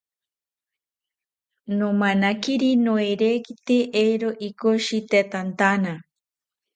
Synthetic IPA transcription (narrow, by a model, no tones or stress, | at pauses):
nomanakiɾinoeɾeːkit̪eʔejɾoʔikoʃit̪et̪ant̪ana